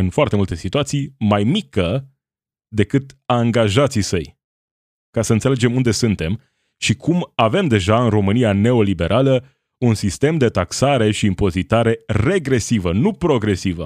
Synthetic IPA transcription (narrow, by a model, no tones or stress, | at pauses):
ɨnfoart̪e̞mult̪e̞sit̪uat̪sijmajmikə | d̪e̞kɨt̪aŋɡaʒat̪sisəj | kasəɨnt̪sele̞d͡ʒe̞mund̪e̞sunt̪e̞m | ʃikʰumave̞md̪e̞ʒaɨnro̞mɨniane̞o̞libe̞ɾʔalə | unsist̪e̞md̪e̞t̪aksaɾe̞ʃiːmpo̞zit̪aɾe̞re̞ɡɾe̞sivənupɾo̞ɡɾe̞sivə̰